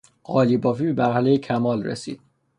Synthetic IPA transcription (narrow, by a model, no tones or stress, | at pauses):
ʔɒːliːbɒːfiːbe̞mæɾhæle̞jecʰæmɒːlrḛsḭːd̪̥̚